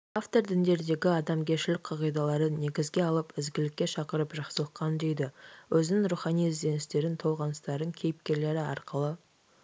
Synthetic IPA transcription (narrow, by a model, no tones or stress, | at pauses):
aft̪o̞ɾd̪ɪnd̪e̞ɾd̪e̞ɡʲɪɑd̪ɑmkʲʰe̞ʃɪlɪk̚ʲqʰɑʁijd̪ɑlˠɑɾəne̞ɡʲɪzɡʲe̞ɑlˠəpɪzɡʲɪlɪkʲːe̞ʃɑqəɾəpʒɑχsəlˠəqqɑnd̪e̞jd̪ɪwʔɵzɪnɪŋɾuχɑnijzd̪e̞nɪst̪e̞ɾɪnt̪ʰow̪ˠʁɑnəst̪ɑɾd̪əŋkʲʰe̞jɪp̚kʲe̞ɾle̞ɾɪɑ̰ɾqəlˠə